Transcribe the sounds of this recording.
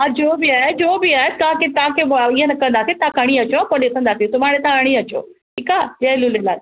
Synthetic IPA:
ad͡ʑoːbiaːɦed͡ʑoːbiaːɦet̪aːket̪ãːkeiɦẽnɐkɐ̃ənd̪aːsit̪ãkɐɽ̃iɐt͡ɕoapoɗet̪ʰə̃nd̪asit̪ʊʋaːɽet̪ãɡɐɽ̃iɐt͡ɕo̰ː | ʈʰiːkaːd͡ʒɐlulelaː

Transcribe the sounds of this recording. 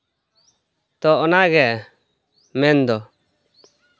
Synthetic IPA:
t̪ɔʔɔnaɡɛ | mɛnd̪ɔ

